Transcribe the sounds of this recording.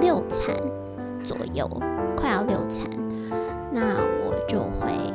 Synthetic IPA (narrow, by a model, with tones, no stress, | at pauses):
ljo˥˩ʊt͡sʰa˥n | t͡swɔ̰˨˩jo̰˥˩ʊkʰwa˥˧ɑ˥˧ljo˥˩ʊt͡sʰa̰˧˥˦n | na˥˩wɔ̰˨˩t͡ɕjo˥˧ʊxwe˥˩ɪ